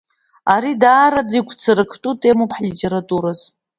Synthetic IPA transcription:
aɾidaːɾad͡zikʷʰt͡sʰɨɾɨkʰtʼutʰʼe̞mopʰħlitʼe̞ɾatʼuɾaz̥

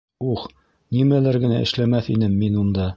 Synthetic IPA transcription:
uχ | nimælæɾɡɘ̆næʔɘ̰̆ʃlæmæθinɘmːinund̪ɑ

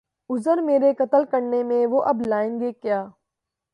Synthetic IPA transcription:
ʊzəɾmeːɾekət̪əlkəɽnemẽʋoʔɐblaːɪnɡeːkjaː

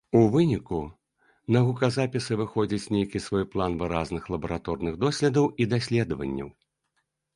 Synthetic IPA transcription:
uvɨnʲiku | nɐɣukɐzapʲisɨvɨxɔd͡zʲɐt͡sʲnʲejkʲisvɔjplˠanvɨɾaznɨxlˠɐbɐɾat̪ɔrnɨɣd̪ɔsʲlʲɛd̪ɐwid̪asʲlʲɛd̪ɐvɐ̰nʲːɐ̰w

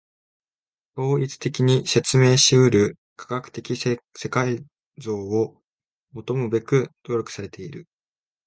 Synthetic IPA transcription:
t̪o̞ːit͡sɨ̥t̪e̞kʲiɲ̟ise̞t͡sɨme̞ːɕiɯɾɯ̟ | kʰḁɡakɯ̟̥t̪e̞kʲise̞kai | zo̞ːo | mo̞t̪o̞mɯ̟be̞kɯ̟d̪̥o̞ːɾʲo̞kɯ̟̥saɾe̞t̪e̞iɾɯ̟

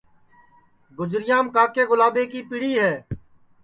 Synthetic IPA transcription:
ɡʊd͡ʒɾɪjãːmkaːkeːɣʊlaːbeːkiːpɪɽiːɦɛː

